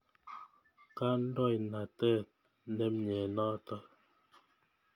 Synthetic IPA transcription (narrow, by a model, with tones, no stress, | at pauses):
ka˦n̩˦dɔ˦˨jna˨tɛː˦˨˦ | nɛ˦mɲɛ˨nɔː˦tɔ˦